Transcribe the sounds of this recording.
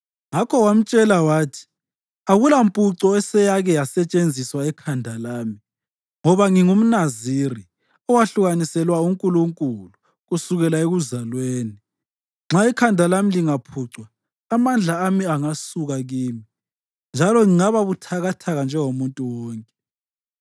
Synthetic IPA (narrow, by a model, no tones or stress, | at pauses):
ŋakʰɔwam̩t͡ʃʼɛlawaːtʰi̥ | aɣulampʼuǀɔɛsɛjaɣɛjasɛt͡ʃʼend͡zʱiswaɛkʰandʱalaːmi | ŋɔβaŋiŋum̩naziri | ɔwaɬuɣanisɛlwauŋkʼuluŋkʼulu | ɣusuɣɛlaeɣuzalweːni | ŋ͡ǁʱaikʰandʱalamiliŋapʰuǀwaː | mand͡ɮʱaːmiaŋasuɣaɣiːmi | nd͡ʒʱalɔŋiŋaβaβutʰaɣatʰaɣand͡ʒʱɛŋomuntʼuwɔːŋkʼɛ